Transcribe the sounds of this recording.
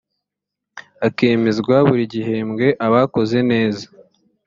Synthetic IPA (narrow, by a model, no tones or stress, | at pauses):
ake̞ːme̞zɡwaβuɾiɟiɦe̞mɡe̞ʔaβako̞ze̞ne̞ːzḁ